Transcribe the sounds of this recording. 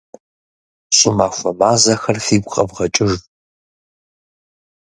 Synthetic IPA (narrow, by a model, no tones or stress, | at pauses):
ɕʼɪmaːxʷɐmaːzɐxɐrfiːɡʷqʼɐbʁɐt͡ʃʼɪʒ